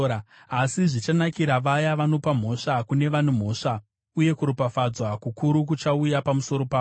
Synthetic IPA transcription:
asiʐit͡ʃanakiɾaʋajaʋano̞pam̤o̞ʂakune̞ʋan̤um̤o̞ːʂa | uje̞kuɾopafad͡zwakukuɾuk̬ut͡ʃaujapamuso̞ɾo̞paː

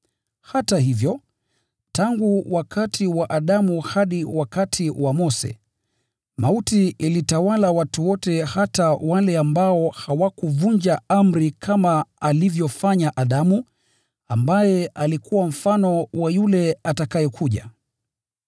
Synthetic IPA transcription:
hatahivjɔ | taŋɡuwakʰatʰiwaʔaɗamuhaɗiwakatʰiwamɔsɛ̰ | mautiilitawalawatuwɔtɛhatawalɛambaɔhawakuvuɲd͡ʒaam̩ɾikʰamaalivjɔfaɲaʔaɗamu | ambajɛʔalikʰuwam̩fanɔwajulɛatakajɛkʰuʄa̰

